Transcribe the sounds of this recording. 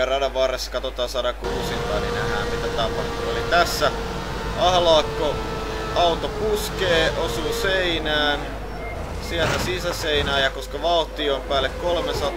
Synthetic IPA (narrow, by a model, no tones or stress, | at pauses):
ɑrɑdɑʋɑrːesːkɑt̪ot̪ɑːnsɑːɾɑkuːsint̪ɑːnḭnehæːnsit̪æt̪ɑpɑht̪unolit̪æsːæ | ʔɑhlɑːkːo | ɑut̪opuskeːʔosuːseinæːn | siælt̪æsisæseinæːjɑkoskɑʋɑlt̪ioimpæːlːekkolmesɑt̪